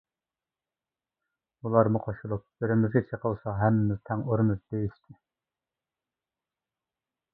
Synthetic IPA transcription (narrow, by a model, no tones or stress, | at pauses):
ulˠɑɾmuqʰoʃulˠʊp̚beɾɪmyzʲit͡ʃʰeqʰəlˠsɑɦɛmːɪmɪzt̪ʰɛŋoɾmɨzd̪̥ejiʃt̪ʰɪ